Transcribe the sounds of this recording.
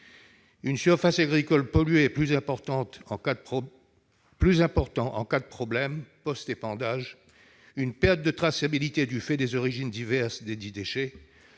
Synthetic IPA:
ynsyʁfasaɡʁikɔlpɔlɥeːplyzɛ̃pɔʁt̪ɑ̃t̪ɑ̃ | plyzɛ̃pɔʁt̪ɑ̃ɑ̰̃kad̪əpχɔblɛmpɔst̪epɑ̃d̪aʒ | ynpɛʁt̪̚d̪ət̪χasabilit̪ed̪yfɛd̪ezɔʁiʒind̪ivɛʁsd̪ed̪id̪eʃe

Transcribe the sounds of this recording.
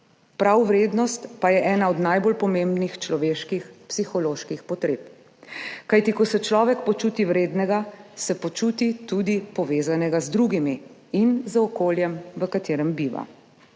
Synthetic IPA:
pɾawʋɾeːd̪nɔst̪pajɛʔɛːnaɔd̪najbolpɔmẽmbnixt͡ʃlɔʋeːʃkixpsixɔloːʃkixpɔt̪ɾeːp | kajt̪ikɔsɛt͡ʃlɔːʋɛkpɔt͡ʃuːt̪iʋɾeːd̪nɛɡasɛpɔt͡ʃuːt̪it̪ud̪ipɔʋeːzanɛɡazd̪ɾuɡimiinzəɔkoːljɛmʋəkat̪eːɾɛmbiʋa̰

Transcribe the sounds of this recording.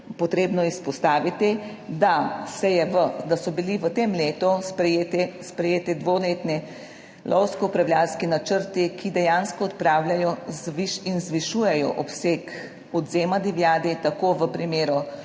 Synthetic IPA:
pɔt̪ɾeːbnɔispɔst̪aːʋit̪i | d̪asɛjɛʋəd̪asɔbiliʋət̪eːmleːt̪uspɾɛjeːt̪ɛspɾɛjeːt̪ɛd̪ʋoleːt̪nɛ | lʔɔwskɔupɾawlʲjaːlskinat͡ʃəɾt̪ikʰid̪ɛjaːnskɔɔt̪pɾaːwlʲjajɔzʋiʃinzʋiʃuːjɛjɔ̰ʔɔpseːk | ɔd̪zeːmad̪iʋjaːd̪it̪akoːʋəpɾimeːɾu

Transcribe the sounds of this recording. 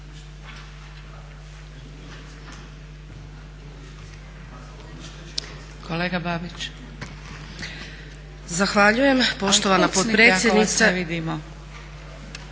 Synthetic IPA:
kʰoleːɡababit͡ʃ | zaxʋaʎuje̞mpo̞ʃt̪o̞ʋanapot̪pɾe̞ːsʲjed̪nit̪seʋid̪imo

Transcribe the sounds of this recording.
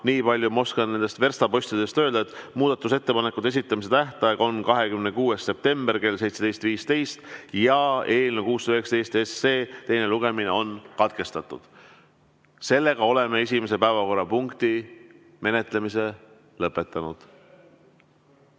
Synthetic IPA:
niːpɑlʲjumo̞skɑnne̞nd̪e̞st̪ve̞rst̪ɑpo̞sʲt̪id̪̥e̞st̪ø̞ːld̪ɑet̪ˑmuːd̪̥ɑt̪ːˑus̬e̞t̪ːe̞pɑne̞kːˑud̪esit̪ˑːɑmis̬e̞t̪æht̪ɑjeɡo̞nkɑɦe̞kymnekuːesːe̞p̚t̪e̞mberke̞ls̬e̞jt̪se̞d̪ejst̪viːst̪e̞jst̪jɑe̞ːlnekuːsyøekst̪ejst̪esːeːt̪e̞jne̞luɡ̥e̞mine̞o̞nkɑt̪ke̞st̪ɑt̪ːˑud̪̥ | se̞lːe̞ɡ̥ɑo̞le̞mee̞sʲimes̬e̞pæːvɑko̞rːɑpuŋkt̪i | me̞net̪ˑle̞mise̞ | lɤpːˑe̞t̪ːˑɑnud̪̥

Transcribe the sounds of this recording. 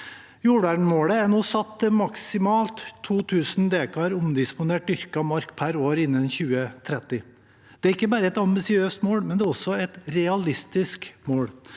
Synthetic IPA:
juːɖæɳmoːɽəænuːsɑt̪ːəmɑksɪmɑːlt̪ʰːuːt̪ʰʉːsnd̪eːkɑɾʊmd̪ɪspʊneːʈ̪̚ʏɾkɑmɑɾkpʰæɾoːɾɪnːənçʉːət̪ʰɾɛt̪ːɪ | d̪̥ɛæɾɪkːəbɑːɾəɛt̪ɑmbɪsɪøːst̪moːɽmɛnd̪ɛːɾɔsɔɛt̪ɾɛɑlɪst̪ɪskmoːɽ

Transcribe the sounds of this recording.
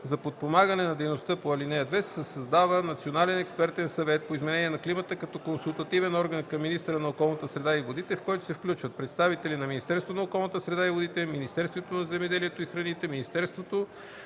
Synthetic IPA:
zɐpot̪̚pomaɡənɛnɐd̪ɛjnost̪əpoɐlinɛjəd̪vɛssəsɐzd̪avənɐt̪sionalɛnɛkspɛɾt̪ɛnsɐvɛt̪̚poizmɛnɛniɛnɐklimət̪əkɐt̪ɔkonsulˠt̪ɐt̪ivɛnɔɾɡənkɐmːinist̪əɾənɐokɔlˠnət̪əsɾɛd̪aivod̪it̪ɛfkɔjt̪o̥sɛfklʲut͡ʃvət̪̚pɾɛt̪st̪avit̪ɛlinɐminist̪ɛɾst̪vonɐokɔlˠnət̪əsɾɛd̪aivod̪it̪ɛminist̪ɛɾst̪vot̪onɐzɛmɛd̪ɛliɛt̪oixɾɐnit̪ɛminist̪ɛɾst̪vot̪o

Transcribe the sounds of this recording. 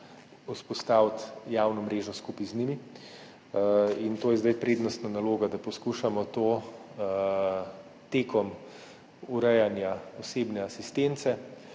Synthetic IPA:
uspɔst̪aːwt̪jaːwnɔmɾeːʒnɔskuːpiznimi | int̪oːjɛzd̪ajpɾeːd̪nɔst̪nanaloːɡad̪apɔskuʃamɔt̪oː | t̪eːkɔm | uɾɛjanjaɔseːbnɛasist̪ent̪sɛ

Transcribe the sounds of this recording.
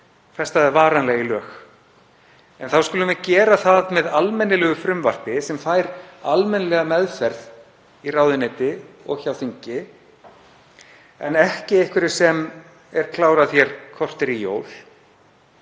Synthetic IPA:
fɛst̪aðɛɾvaːɾanlɛɣilœːx | ɛnθawskʏlʏmɛðcɛːɾaθaðmɛðalmɛnːɪlɛɣʏfɾʏmvar̥t̪ɪsɛmfajɾalmɛnlɛɣamɛðfɛɾð | iraːwðɪnɛːt̪ɪ | ɔ̰ɣçawθiɲcɪ | ɛnɛhcɪejhkvɪɾɪ̥sɛm | ɛɾ̥kʰlaːwɾaθjɛɾ̥kʰɔr̥t̪ɪɾijo̰ːwl̥

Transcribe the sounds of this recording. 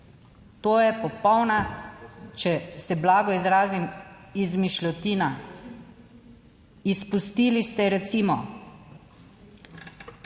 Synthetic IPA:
t̪oːjɛpɔpɔwna | t͡ʃɛsɛblaːɡɔizɾaːzimizmiʃlʲɔt̪iːna | ispust̪iːlist̪ɛɾɛt̪siːmɔ

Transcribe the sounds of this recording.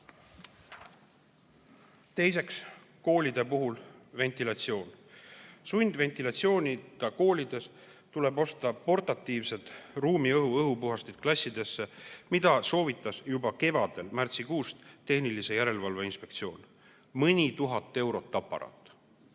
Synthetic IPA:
t̪e̞jse̞ks | ko̞ːlʲid̪̥e̞puɦulve̞nt̪ˑilɑt̪sio̞ːn | sunʲd̪̥ve̞nt̪ilɑt̪sio̞ːnʲid̪̥ɑko̞ːlʲid̪̥e̞st̪ule̞bo̞st̪ɑpo̞rt̪ɑt̪ːˑiːvse̞d̪ruːmiɤɦuɤɦupuɦɑst̪id̪̥̚klɑsʲːid̪̥e̞sːemid̪̥ɑso̞ːvit̪ːˑɑsjubɑke̞vɑd̪̥e̞lmært̪sikuːst̪t̪ːe̞hnilise̞jæɾe̞lvɑlveinspe̞k̚t̪sio̞ːn | mɯnʲit̪uɦɑt̪ːˑe̞wɾo̞t̪ːɑpːˑɑ̰ɾɑ̰ːt̪ːˑ

